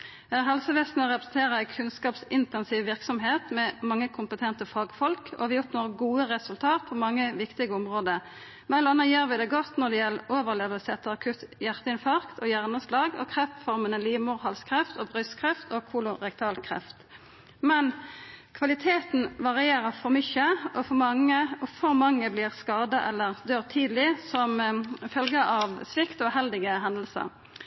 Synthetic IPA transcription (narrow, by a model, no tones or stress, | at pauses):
ɦɑlsəʋɛst̪nəʁɛpʁəsɛnt̪ʰeːʁəæɪkʰʉnskɑːpsɪnt̪ɛnsiːʋʋɪʁksɔmɦeːt̪mɛmɑŋːəkʰʊmpət̪ʰɛnt̪əfɑːɡfɔlkʰɔ̰hʋɪjʊt̪noːʁɡuːəʁɛsʉlt̪ʰɑːt̪̚pʰɔmɑŋːəʋɪkt̪ɪɡəɔmʁoːd̪ə | mɛləɑnːəjøːʁʋɪd̪ɛɡɔt̪nɔʁd̪ɛjɛlːəʔoːʋəʁleːʋəsɛt̪əɑkʰʉt̪jæʁt̪əɪnfɑʁkt̪ʰɔjæʁnəslɑːɡɔ̰kʰʁɛft̪fɔʁmənəliːmʊʁhɑlskʰɾɛft̪ɔbʁʏskʰʁɛft̪ʰokʰuːlʊʁɛk̚t̪ʰɑːlkʰɾɛ̰ft̪ | mɛnkʰʋɑlɪt̪ʰeːt̪n̩ʋɑʁɪeːɾəfɔʁmʏçəɔfɔʁmɑŋːəɔfɔʁmɑŋːəblɪːʁskɑːd̪əʔɛlːəʁd̪øːʁt̪ʰiːd̪lɪsɔmfœlɡəʔɑʋsʋɪkt̪ɔːhɛld̪ɪɡəɦɛnd̪əl̩sə̰